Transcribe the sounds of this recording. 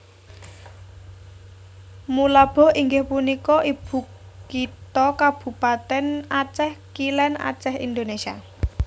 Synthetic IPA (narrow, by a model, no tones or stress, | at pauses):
mulab̥ɔ̤hiŋɡɪhpunikɔʔib̥ṳkː | it̪ɔkab̥ṳpat̪ɛnat͡ʃɛhkilɛna̰t͡ʃɛhḭnd̪onesia̰